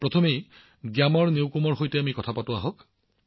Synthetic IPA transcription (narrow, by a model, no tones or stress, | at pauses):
pɹɔtʰɔmej | ɡjamɔɹnewkumɔɹɦojtɛamikɔtʰapatʊaɦɔk